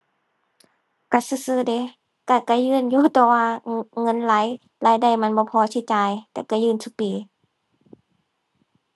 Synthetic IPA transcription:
ka˧˩sɯː˧˨sɯː˧˨de˧˦ | ka˧˩ka˧˩jɯː˧˥˨njuː˧˨t̪ɔː˧waː˧ŋɤ˧˥˨nla˨˦j | laː˨˦jda˧˩jma˧˨nbɔː˧˦pʰɔː˧˦tʰi˧˨t͡ɕaː˨jt̪ɛː˧˨ka˧˩jɯː˧˨nsʰu˧˦˨piː˨˦

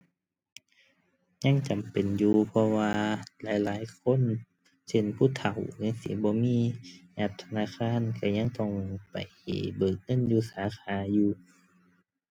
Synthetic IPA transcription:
ɲa˧˥˨ŋt͡ɕa˨˩mpe˨njuː˧pʰɔ˧waː˧laː˨˦jlaː˨˦jkʰo˧˥˨n | se˧˩˨npʰuː˧˥˨t̪ʰa˨˩˦wna˧˥˨ŋsḭː˨˧˦bɔː˧˦miː˧˥˨ʔa˧˩p̚t̪ʰa˧naː˧˥˨kʰaː˧˥˨nka˧˩ɲa˧˥˨ŋt̪ɔ˧˩ŋpa̰˨˩jbɤː˨˩k̚ŋɤ˧˥˨njuː˧saː˨˦xʰaː˨˦juː˧

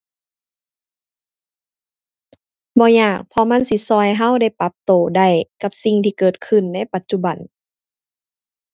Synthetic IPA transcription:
bɔː˧˦ɲaː˧˩k̚pʰɔ˧˦ma˧˥˨nsi˧˦sɔː˧˩jɦa˧˥˨wda˧˩jpa˧˦p̚t̪oː˨˩da˧˩jka˧˦p̚si˧ŋt̪ʰiː˧kɤː˨˩t̪̚kʰɯ˧˩˨nːa˧˥˨jpa˨˦t̪̚t͡ɕu˧˦ba˨˩n

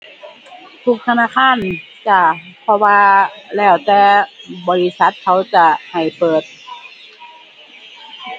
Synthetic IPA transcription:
t̪ʰu˧˩k̚t̪ʰa˧naː˧˥˨kʰaː˧˥˨n | t͡ɕa˧˩pʰɔ˧waː˧lɛː˧˩wt̪ɛː˧bɔː˧li˧˥sa˧˦t̪̚kʰa˧˥wt͡ɕa˧˩ha˨˩jpɤː˨˩t̪̚

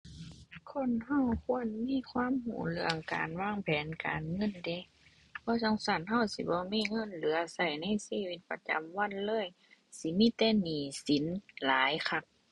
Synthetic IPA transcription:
kʰo˧˥˨nha˧˥˩wkʰu˧˥˨ə˨nmiː˧˥˨kʰwaː˧˥˨mhṵː˨˩lɯ˧əŋka̰ː˨nwaː˧˥˨ŋpʰɛː˨˦nkaː˨nŋɤ˧˥˨nde˧˦ | bʰɔː˧˦sɔ˧˥˨ŋsa˧˩˨nɦa˧˨wsḭ˧˦bɔː˧˦miː˧˥˨ŋɤ˧˥˨nlɯː˨˦ɐsa˧˩jna˧˥˨jsiː˧˥˨wi˧˩t̪̚pa˧t͡ɕa̰˨mwa˧˥˨nlɤː˧˥˨j | si˧˦miː˧˥˨t̪ɛː˧˨niː˨˩si˨˦nlaː˨˦jkʰa˧˩p̚

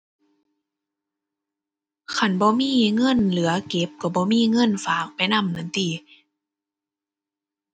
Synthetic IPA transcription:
kʰa˧˩˨nbɔː˧˦miː˧˥˨ŋɤ˧˥˨nlɯ˨˦ɐke˨˦p̚ka˧˩bɔː˧˦miː˧˥˨ŋɤ˧˥˨nfaː˨˦k̚pa˨jna˧˥˨mna˧˦nt̪iː˧˩

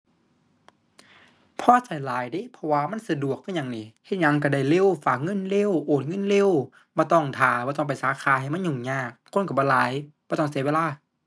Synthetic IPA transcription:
pʰɔː˧˥˨sa˨˩jlaː˨˦jdi˧˥˨pʰɔ˧waː˧ma˧˥˨nsa˧du˨˩ək̚ːa˧˨ɲa˨˧˩ŋniː˧˩ht̪̚ɲa˧˩ŋka˧˩da˧˩jle˧˥˨wfaː˨˩k̚ŋɤ˧˥˨nle˧˥˨wʔoː˨˩t̪̚ŋɤ˧˥˨nle˧˨w | bɔː˧˦t̪ɔ˧˩ŋt̪ʰaː˨˦bɔː˧t̪ɔ˧˨pa˨˩jsaː˨˦kʰaː˨˦ha˨˩jma˧˥˨nɲu˨˩ŋɲaː˧˩kʰːnka˧˩bɔː˧˦˨laː˨˦jbɔː˧˦t̪ɔ˧˥˩ŋsi˨˧˦weː˧laː˧˩˨

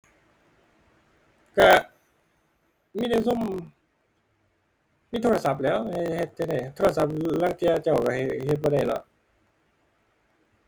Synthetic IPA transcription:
ka˧˩ | miː˧˥˨na˧˩su˧˥˨m | miː˧˨t̪ʰoː˧la˧sa˧˦p̚lɛː˦˥whhe˧t̪̚t͡ɕa˧da˧˩jt̪ʰoː˧a˧˩sa˧˦p̚laː˧˥˨ŋt̪i˧a˧t͡ɕa˧˩wka˧˩˧he˧t̪̚bɔː˧ɾa˧˩jlɔ̰˧˦ʔ

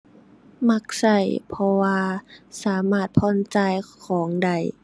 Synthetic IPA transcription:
ma˧˥k̚sa˧˩jpʰɔ˧waː˧saː˩˦maː˧˥˩t̪̚pʰɔː˧˥˨nt͡ɕa˧jkʰɔː˩˦ŋda˧˩j

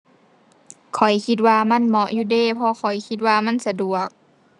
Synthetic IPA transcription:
kʰɔ˨˩jkʰi˧t̪̚waː˧ma˧˥˨nmɔ˧ʔjuː˧deː˧˨pʰɔ˧kʰɔ˨˩jkʰi˧t̪̚waː˧ma˧˥˨nsa˧du˨˩ək̚

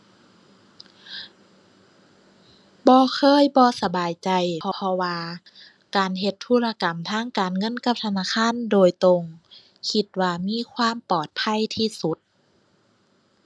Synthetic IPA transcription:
bɔː˧kʰɤː˧˥˨jbɔː˧sa˧baː˨˩jt͡ɕa˨˩jʰɔ˧pʰɔ˧waː˧ | kaː˨˩nɦe˧t̪ʰːu˧˩˨la˧ka˨˩mt̪ʰaː˧˥˩ŋkaː˨˩nŋɤ˧˥˨nka˧p̚t̪ʰa˧naː˧˥˨kʰaː˧˥˨ndoː˨jt̪o˧ŋ | kʰi˧t̪̚waː˧miː˧˥˨kʰwaː˧˥˨mpɔː˨˩t̪̚pʰa˧˥˨jt̪ʰiː˧su˧˦t̪̚

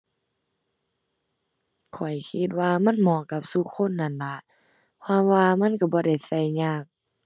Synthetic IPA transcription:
kʰɔ˨˩jkʰi˧˥t̪̚waː˧ma˧˥˨nmɔː˧˩˨ka˧p̚su˧˦kʰːo˧˥˨nːa˧˩˨nla˧˦ʔ | kʰwaː˧˥˨mwaː˧ma˧˥˨nka˧˩bɔː˧˦da˧˩jsa˧˩˨jɲaː˧˩˨k̚

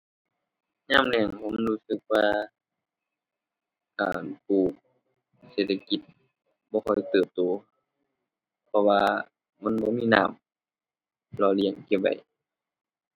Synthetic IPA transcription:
ɲaː˧˥˨mlɛ˧˩ŋhʰo˧˥˨mluː˧˨sɯ˧k̚waː˧ | ka̰ː˨˩npuː˧˩k̚ | seː˧˩t̪̚ʰa˧ki˧˦t̪̚ | bɔː˧˦kʰɔ˧˩jt̪ɤː˨˩p̚t̪oː˨˦ | pʰɔ˧waː˧ | ma˧˥˨nbɔː˧˦miː˧˥˨naː˧˩˨m | lɔː˧li˧˩ə˨ŋki˧˩p̚ba̰˨˩j

